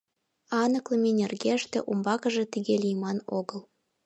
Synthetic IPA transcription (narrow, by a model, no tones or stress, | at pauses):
ɑnɤ̆klˠɤ̆mʲenʲĕrɣeʃt̪ḛ̆ʔumbɑkɤ̆ʒĕt̪iɣelʲijmɑnoɣəlˠ